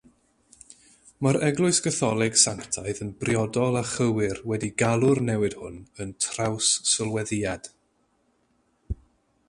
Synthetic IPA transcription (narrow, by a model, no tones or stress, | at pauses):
maɾɛɡlˠʊɨsɡ̥əθɔlˠɪɡ̥saŋktʰaɨðənbrjɔdɔlˠaχəwɪrwɛdiɡalˠʊrnɛwɨd̥hʊ̰nəntʰrawsːɪlˠwɛðɪad̥